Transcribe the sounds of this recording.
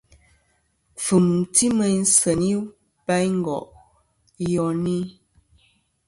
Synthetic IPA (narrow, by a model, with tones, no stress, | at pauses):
fu˨m˨ti˦mə˨n̩˦sə˨ni˦ | pa˦jŋ̩˦ɡɔ̰˨ʔ | jɔ˨ni˦